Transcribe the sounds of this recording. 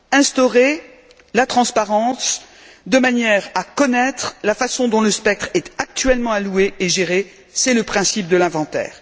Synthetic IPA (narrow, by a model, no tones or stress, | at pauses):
ɛ̃st̪ɔʁe | lat̪χɑ̃spaʁɑ̃s | d̪əmanjɛʁakɔnɛt̪χlafasɔ̃d̪ɔ̃ləspɛk̚t̪χɛt̪ak̚t̪ɥɛlmɑ̃alueʔeʒeʁe | sɛləpχɛ̃sip̚d̪əlɛ̃vɑ̃t̪ɛ̰ːʁ